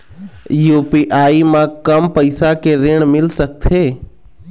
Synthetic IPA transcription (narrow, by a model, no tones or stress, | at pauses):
juːpiʔaːimãkəmpəɪsakeɾeːɳ̃mɪlsək̚t̪ʰeː